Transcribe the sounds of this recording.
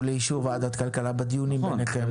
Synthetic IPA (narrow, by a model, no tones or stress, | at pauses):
leiʃuvad̪at̪kalkalabad̪ijunimenekem